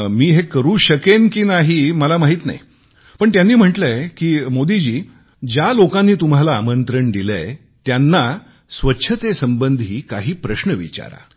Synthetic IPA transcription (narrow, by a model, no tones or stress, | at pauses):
miːɦekəɾuːɕəkenkinaɦiməlamaɦiːt̪na̰j | pəɳt̪janːiːm̤əʈlekiːmod̪id͡ʑiː | d͡ʑjalokãnːiːt̪um̤alaːmənt̪ɾəɳd̪ile | t̪janːa | sʋətːɕʰət̪esəmbənd̪ʱiːkaɦiːpɾəɕnəʋḭt͡ɕa̰ɾa̰